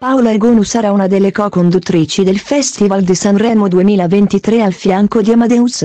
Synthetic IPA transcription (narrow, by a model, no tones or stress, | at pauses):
pawlaeɡoːnusaɾaunad̪elːekɔkond̪ut̪ːɾiːt͡ʃid̪elfɛst̪ivald̪isanrɛmod̪uemiːlavent̪it̪ɾealfjaŋkod̪iamad̪ɛus